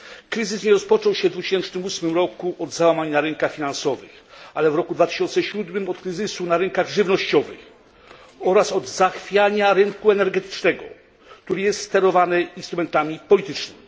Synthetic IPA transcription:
kɾɘzɘsɲɛɾɔspɔt͡ʂɔ̃wɕɛvd̪vut͡ɕe̥ɕɛnt͡ʂnɘmusmɘmɾɔkuʔɔd̪zawamaɲnaɾɛŋkaxfʲinansɔvɘ̰xalɛvɾɔkud̪vat̪ɘ̥ɕɔnt̪sɛɕud̪mɘmɔt̪kɾɘzɘsunaɾɘŋkaɣʐɘvnɔɕt͡ɕɔvɘ̰x | ɔɾasɔd̪zaxfʲjaɲaɾɘŋkuɛnɛɾɡɛt̪ɘ̥t͡ʂnɛɡɔ̰ | kt̪uɾɘjɛst̪st̪ɛɾɔvanɘinst̪ɾumɛnt̪amʲipɔlʲit̪ɘt͡ʂnɘmi

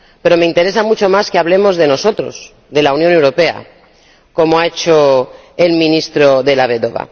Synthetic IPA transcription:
pe̞ɾo̞me̞int̪e̞ɾe̞samut͡ʃo̞maskeaβle̞mo̞zðe̞no̞so̞t̪ɾo̞̰s | ðe̞launjone̞wɾo̞pe̞a̰ | ko̞moaet͡ʃo | e̞lmĩnist̪ɾoðe̞laβeðoβ̞a̰

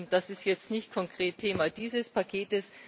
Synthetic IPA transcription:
d̥asɪstjɛt͡stnɪçt̚kʰɔŋkʁ̥eːtʰeːmad̥iːzəspʰakʰeːtəs

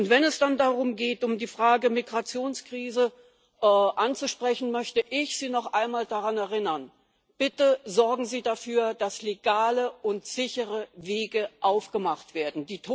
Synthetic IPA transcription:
ʊntv̥ɛnɛsd̥andaʁʊmɡeːtʊmdiːfʁ̥aːɡəmiɡʁat͡sjoːnskʁ̥iːzə | ʔɛʔant͡suʃpʁ̥ɛçn̩mœçtəʔɪçz̥iːnɔχʔaɪnmaːldaʁanɛɐʁɪnɐn | b̥ɪtəzɔɐɡŋ̩ziːdafyːɐd̥asleɡaːləʔʊntz̥ɪçəʁəveːɡəʔaʊfɡ̥əmaχtv̥eːɐdn̩diːtʰo

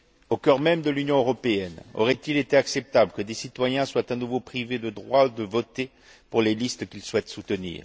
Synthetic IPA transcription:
okʲœʁmɛmd̪əlynjɔ̃øʁɔpeɛnɔ̰ʁɛt̪ilet̪eaksɛp̚t̪abləkəd̪esit̪wajɛ̃swat̪ɛ̃nuvopχived̪əd̪ʁwaud̪əvɔt̪e | puʁlelist̪əkʲilswɛt̪sut̪ənḭːʁ

